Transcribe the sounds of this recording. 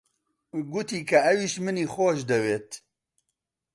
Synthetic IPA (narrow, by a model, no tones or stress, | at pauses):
ɡut̪iːkʰɐɐwiːʃmɨniːxoːʃd̪ɐweːt̪